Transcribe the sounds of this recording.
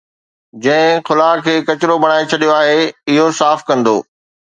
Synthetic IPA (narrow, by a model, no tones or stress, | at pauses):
d͡ʑɐ̃ɦɪ̃xʊlaːkʰeːkɐt͡ɕɪɾobɐɽ̃aːet͡ɕʰɐɗijoaːɦeːɪɦosaːfkɐ̃nd̪o̰ː